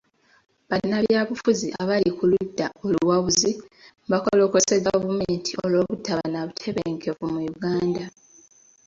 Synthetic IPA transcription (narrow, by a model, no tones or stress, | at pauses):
βanːaβjaːβufuziʔaβalikuludːaoluwaβuzi | βako̞lo̞ːkeseɡavumentʰiʔolo̞ːkutːaβanaβutʰe̞βeŋkʰe̞vumujuɡaːnda